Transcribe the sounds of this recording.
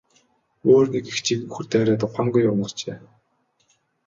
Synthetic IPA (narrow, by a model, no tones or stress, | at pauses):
oːrnikixt͡ɕʰiɣɘ̆ŋxurt̪æːɾʲaːt̪ʊχaŋɡujʊwnə̆ɮt͡ɕeː